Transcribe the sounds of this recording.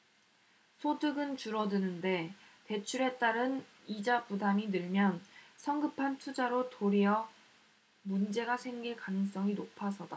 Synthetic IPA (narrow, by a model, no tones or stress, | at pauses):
sʰodɯɡɯnt͡ɕuɾʌdɯnɯnde̞ | te̞t͡ɕʰuɾe̞t͈aɾɯn | id͡ʑabudaminɯɭmjʌnsʰʌŋɡɯpʰantʰud͡ʑaɾotoɾiʌ | mund͡ʑe̞ɡasʰe̞ŋɡiɭkanɯŋs͈ʌŋinopʰasʰʌda